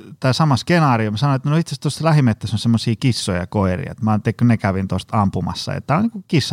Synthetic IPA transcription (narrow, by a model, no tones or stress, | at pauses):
t̪æːsɑmɑskenɑːriomsɑnoet̪ːænoiht̪sest̪ostlæhimet̪ːæsonsemːosiːkisːojɑ̰koirḭḛt̪mɑnt̪ːˑelkːonekæʋint̪ost̪ɑmpumɑ̰sːɑ̰ḛt̪ːæoniːŋkukisːɑ